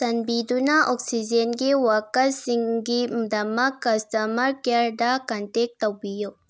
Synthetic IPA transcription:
t̪ɐnbid̪unaʔɔksid͡ʒenɡiwɐkɐsiŋɡid̪ɐmɐkːɐstɐmɐɾkaɾɖakɐntek̚t̪ːɐbijo

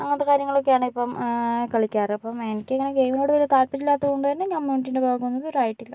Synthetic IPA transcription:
ɐŋːɐnt̪ekaːɾjɐŋːɐɭokːejaːɳɨipːɐmkɐɭikʲːaːripːɐmenikʲːɨɐŋːɐneɡejmino̞ːɽɨʋɐlijɐt̪aːlpit͡ɕːilːaːt̪ːɐðuɳɖɨenːekɐmːuʈ̬ːindebaːɡunːɐðoɾaːjiʈːilːɐ

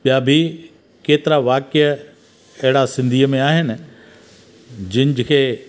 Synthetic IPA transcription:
ɓijaːbʱi | keːt̪ɪɾaʋaːkɪjə | ɐɦɪɽasɪ̃nd̪ʱiːəmẽaːɦɪnɪ̆ | d͡ʑɪnd͡ʑɪkʰeː

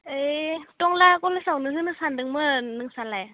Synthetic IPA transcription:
etɔŋlakɔlasawnɯɦɯnɯsandɯŋmɯnɯŋsalaj

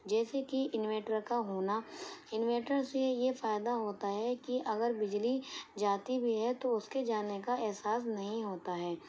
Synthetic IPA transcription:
d͡ʒɛːsekiʔɪnʋeːʈəɾkaɦoːnaɪnʋeːʈəɾsejefaːjɪd̪aɦoːt̪aɦɛkiʔɐɡəɾbɪd͡ʒlid͡ʒaːt̪ibʱiɦɛt̪oʊsked͡ʒaːnekaɛɦsaːsnɐɦĩɦoːt̪aɦɛː

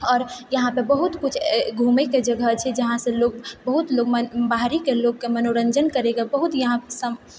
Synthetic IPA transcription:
ɔːɾjəɦãpəɾbəɦut̪kut͡ʃʰɡʱumeked͡ʒəɡʱət͡ʃʰɛd͡ʒəɦãsə̃loɡ̚bəɦut̪loɡməbaɦɾikelokːemənoɾənd͡ʒənkəɾeɡabəɦut̪jəɦãpsəm

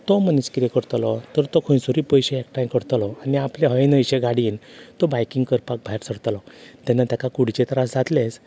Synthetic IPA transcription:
t̪ɔməniskiɾekəɾt̪lɔt̪əɾt̪ɔkʰõjsuɾiːpəjɕeekʈajkəɾt̪lɔaniapleɦəenəjɕeɡaɽiːnt̪ɔbajkiŋɡkəɾpak̚bʱajɾsəɽt̪lɔt̪anːat̪jakakuɽ̤it͡ɕet̪ɾasd͡zat̪les

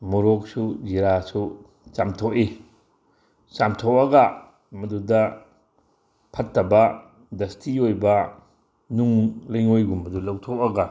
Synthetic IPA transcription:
muɾok̚sud͡ʒiɾasu | t͡ʃamtʰoki | t͡ʃamtʰokɐɡɐ | mɐdudɐ | pʰɐtːɐbɐ | dɐstʰiojbɐ | nuŋlɐjŋojɡumɐdulɐwtʰop̚ɐɡɐ

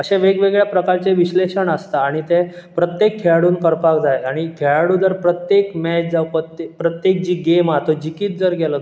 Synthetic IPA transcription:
əɕeʋeɡʋeɡɭjapɾəkaɾt͡seʋiɕleɕəɳəst̪aːɽ̃it̪ẽpɾət̪jekʰːeɭaɽuːnkəɾpakd͡zajaɽ̃ikʰeɭaɽud͡zəɾpɾət̪jekmɛt͡ɕd͡zaʋpəpɾət̪jek̚d͡ʑiːɡemat̪od͡ʑikiːt̪̚d͡zəɾɡelə

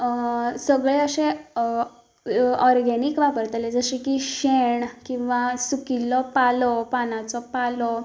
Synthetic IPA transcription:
səɡɭeəɕẽ | ɔɾɡenikʋapəɾt̪led͡zəɕikiɕeɳkĩw̃ʋasukilɔpalɔpanat͡sɔpalɔ

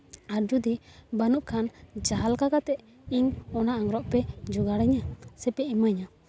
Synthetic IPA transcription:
aɾd͡ʒud̪ibanuʔkʰand͡ʒaɦalkakat̪ɛʔ | iɲɔnaaŋɾɔʔpɛd͡ʒɔɡaɽɛɲasɛpɛimaɲa

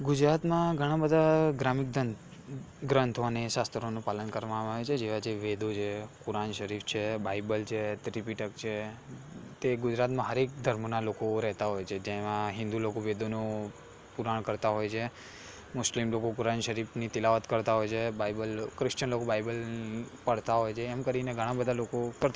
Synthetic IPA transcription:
ɡʊd͡ʒɾat̪mãɡʱəɽ̃ãbəd̪ʱaɡɾamik̚d̪ə | ɡɾənt̪ʰaneʃast̪ʰəɾonũpalənkəɾʋamaʋet͡ʃʰed͡ʒeʋad͡ʒeʋed̪ʱod͡ʒʰekuɾanʃəɾift͡ʃʰebaibəlt͡ʃʰet̪ɾipiʈəkt͡ʃʰe | t̪eɡʊd͡ʒɾat̪mãɦəɾek̚d̪ʱəɾmonalokoɾɛɦt̪aɦojt͡ʃʰed͡ʒemãɦɪ̃nd̪ulokoʋed̪ʱonu | puɾaɳkəɾt̪aɦojt͡ʃʰe | mʊslimlokokuɾanʃəɾifnit̪ɪlaʋət̪kəɾt̪aɦojt͡ʃʰebajbəlkɾɪʃt͡ʃənlokobaibəlpəɽt̪aɦojt͡ʃʰeːmkəɾineɡʱəɽ̃ãbəd̪ʱalokokəɾt̪

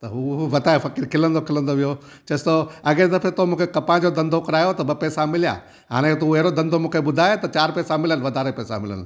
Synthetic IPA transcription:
t̪ɐɦuɦʋɐt̪aːefɐkiɾkʰɪlə̃nd̪okʰɪlə̃nd̪oʋijo | t͡ɕɐst̪oɐɡẽd̪ɐfet̪omũːkʰekɐpãd͡ʑod̪ɐ̃nd̪ʱokɐɾaːjot̪ɐbɐpɛːsamɪlija̰ː | ɦa̰ːɽ̃ẽt̪uɛɦɾod̪ɐ̃nd̪ʱomũːkʰeɓʊd̪ʱaːt̪ɐt͡ɕaːɾpɛːsamɪlənʋɐd̪ʱaːɾepɛːsa̰mɪlə̰nɪ̆

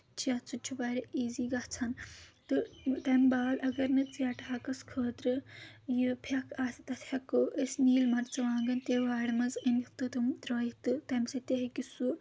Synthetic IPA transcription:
t͡ʃʰijɐt͡sut͡ʃʰubaːɾeiːziːɡɐt͡sʰɐnt̪ɨt̪ɐmbaːlʔɐɡɐɾnɐt͡sjɐʈaːkɐskʰəːt̪ɾɨjipʰɐkʰaːt̪it̪ɐt̪ʰʲhʲɐkoʔesʲniːlmɐɾt͡sɐʋãːŋɡɐnt̪eːʋaːɽmɐzinikt̪ɨt̪ɨmt̪ɾoːjikt̪ɨt̪ɐmsɐt̪eɦikisu

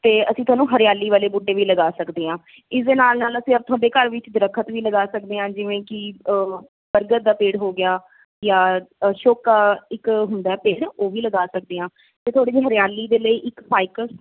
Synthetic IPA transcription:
t̪eːəsĩːt̪ʊwaːnũːɦəɾjaːliːʋaːleːbʊɖːeːʋiːləɡaːsəkd̪eːɦãː | ɪsd̪eːnaːlnaːləsĩːəb̚t̪ʰwaːɖeːkəɾʋɪt͡ʃd̪ɪɾəkʰːət̪ʋiːləɡaːsək̚d̪eːɦãːd͡ʒɪʋẽːkɪ | bəɾɡət̪̚d̪aːpeːɽɦoːɡɪaː | jãːʃoːkaːɪkɦʊnd̪aːpeːɽoːʋiːləɡaːsək̚d̪eːɦãː | t̪eːt̪ʰaːɽeːd͡ʒeːɦəɾjaːlːiːd̪eːləiːʔɪkpaːɪkə

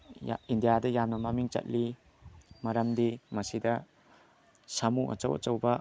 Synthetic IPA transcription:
indijadɐjamnɐmamiŋt͡ʃɐ̰t̚li | mɐɾɐmdimɐsidɐ | samuɐ̰t͡ʃɐ̰wʔɐ̰t͡ʃɐwbɐ

